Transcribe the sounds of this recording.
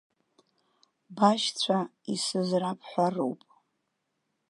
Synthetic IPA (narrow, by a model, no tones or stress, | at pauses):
baʃt͡sʷʰa | isɨzrapʰʼħʷaro̰wpʼ